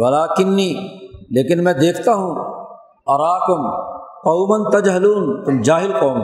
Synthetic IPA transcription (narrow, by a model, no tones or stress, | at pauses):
wɐlaːkɪnːiːleːkɪnmɛ̃ːd̪eːkʰt̪aɦũː | ɐɾaːkʊmqɐːmɐnt̪ɐd͡ʒɦɐluːnt̪ʊmd͡ʒaːɦɪlqoːm